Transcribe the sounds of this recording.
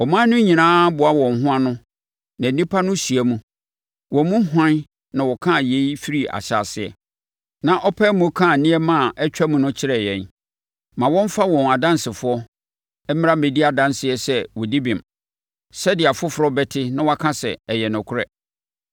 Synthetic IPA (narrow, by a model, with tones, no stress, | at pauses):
ɔ˨mã˦nʊ̃˦ɲĩ˨nãː˦bʊ˨a˦wɔ̃˨nɦʊ̃˦a˦nʊ̃˦ | nã˨nĩ˦pʰa˦nʊ̃˦si˨æ˦mũ˦ | wɔ̃˨˦mũ˦hã˦n | nã˨wɔ˨kʰã˦˨je˨˦i˦fi˦ɾi˦a̰˨ɕa̰ː˨sɪ˨ɛ̰˨ | nã˨ʔɔ˦pʰɛ˦mũ˨˦kʰã˦˨nĩ˦ɛ˦mã˦˨ʔɛ˦t͡ɕᶣa˦mũ˨nʊ̃˦t͡ɕʰɪ˦ɾɛ˨jɛ̃˨n | mã˨wɔ̃˦ɱ˦fa˦wɔ̃˨na˨dã˦n˦sɪ˨fʊ˦ɔ˦ | ɛ˦mɪ̃˦a˦mẽ˨di˦a˨dã˦nsɪ˨ɛ˨sɛ˦wɔ˨di˦bĩ˨m | sɛ˦dɪ˨a˨fʊ˦fʊ˨ɾɔ˦bɛ˦tʰɪ˦nã˦wa˦kʰã˦sɛ̰˨ɛ˨jɛ˨nʊ̃˨kʰʊ˦ɾɛ˦